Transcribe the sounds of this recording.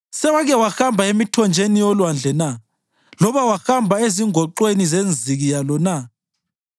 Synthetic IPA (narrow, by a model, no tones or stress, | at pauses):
sɛwaɣɛwaxambʱaemitʰɔnd͡ʒʱenijɔlwand͡ɮʱɛna | lɔβawaxambʱaeziŋʱɔǃwenizend͡zʱiɣijalɔna